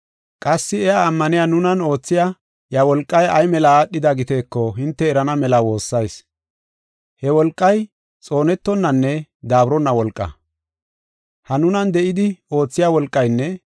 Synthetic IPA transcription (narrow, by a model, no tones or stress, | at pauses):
kʼɐsːɪɛjaːmːɐnɪjanʊnɐno̞ːt͡sːɪja | jɐwɔlkʼːɐjɐjmɛlɐɗːɪd̪ɐɡɪt̪eːkːɔɦɪnt̪ːɛːɾɐnɐmɛlɐwo̞ːsːɐjs | hɛwɔlkʼːɐj | t͡sʼo̞ːnɛt̪ːɔnːɐnːɛd̪aːbɾɔnːɐwɔlkʼːɐ̰ | hɐnʊnɐnd̪ɛʔɪd̪ɪo̞ːt͡sːɪjaːwɔlkʼːɐjnːɛ